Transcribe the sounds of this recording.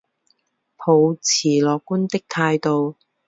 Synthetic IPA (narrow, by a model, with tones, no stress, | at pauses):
pʰo˨˧wt͡sʰiː˨˩lɔː˨kːuː˥nt̪ɪ˥k̚t̪ʰaː˧jt̪o˨w